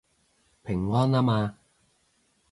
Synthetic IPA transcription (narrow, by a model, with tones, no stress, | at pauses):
pʰɪ˨˩ŋwɔː˥nlaː˥maː˧